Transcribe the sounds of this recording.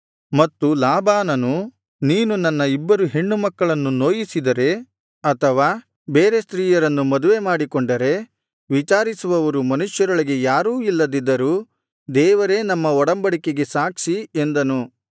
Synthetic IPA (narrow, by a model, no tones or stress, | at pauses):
mɐt̪ːulaːbaːnɐnu | niːnunɐnːɐibːɐɾuɦeɳːumɐkːɐɭɐnːuno̞ːjisid̪ɐɾe̞ | ɐt̪ʰɐʋaː | beːɾe̞st̪ɾiːjɐɾɐnːumɐd̪uʋe̞maːɽikoɳɖɐɾe̞ | ʋit͡ʃaːɾisuʋɐʋɐɾumɐnuʃjɐɾɐɭɐɡe̞jaːɾuːilːɐd̪id̪ːɐɾuː | d̪ɛːʋɐɾe̞ːnɐmːɐɔɽɐmbɐɽike̞ɡe̞saːkʂie̞nd̪ɐnu